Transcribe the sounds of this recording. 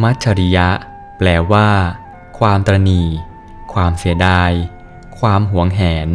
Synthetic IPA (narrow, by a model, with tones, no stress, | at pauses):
ma˦˥t̪̚t͡ɕʰa˧ɾi˦˥ja˦˥ʔ | plɛː˨˩waː˥˩ | kʰwaː˧mt̪ɾa˧niː˨˩ | kʰwaː˧msi˩˦ədaː˧j | kʰwaː˧mɦu˩˦əŋɦɛː˩˦n